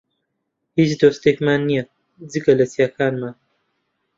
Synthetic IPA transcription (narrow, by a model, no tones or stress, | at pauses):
hit͡sd̪oːst̪ekmaːnːija | d͡zikɐlɐsjaːkaːnma